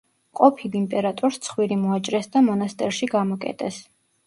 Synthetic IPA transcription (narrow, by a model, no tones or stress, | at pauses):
qʼɔpʰilimpʼɛɾat̪ʼuɾst̪sʰχwiɾimɔat͡ʃʼɾɛsd̪amɔnast̪ʼɛɾʃiɡamɔkʼɛ̰t̪ʼɛs